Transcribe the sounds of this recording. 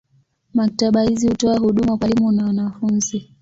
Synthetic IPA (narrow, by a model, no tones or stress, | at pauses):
mak̚taɓahizihutɔahuɗumakwalimunawanafunzi